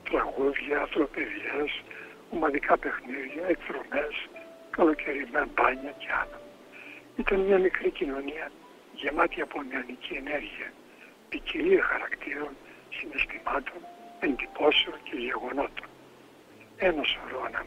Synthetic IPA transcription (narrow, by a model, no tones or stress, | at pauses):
t̪ɾɐɣuðʝɐːθɾo̞pe̞ðes | omɐðikʰɐpe̞xniðʝɐekθɾo̞me̞s | kɐlo̞cʰeɾimebɐɲɐce̞ɐnɐ | it̪ɐnmɲɐmikɾicino̞niɐ | ʝe̞mɐt̪iɐponiɐniciene̞ɾʝiɐ | piciliexɐɾɐkt̪iɾo̞n | sine̞st̪imɐt̪o̞ne̞nd̪ipo̞seo̞nce̞ʝe̞ɣo̞no̞t̪o̞̥n | enɐso̞ɾoɐnɐ